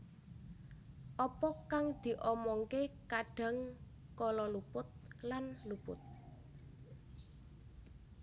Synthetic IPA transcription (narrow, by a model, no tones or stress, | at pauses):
ʔɔpɔkaŋd̪̥i̤ʔɔmɔŋkekaɖ̥a̤ŋ | kɔlɔlupʊt̪̚lanlupʊ̰t̪̚